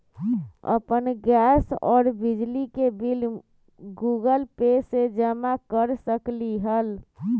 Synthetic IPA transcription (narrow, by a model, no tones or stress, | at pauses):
ə̰pənɡɛsɔ̰ːɾbid͡ʒlikebil | ɡuɡəlpesed͡ʒəmakəɾsəkliɦəl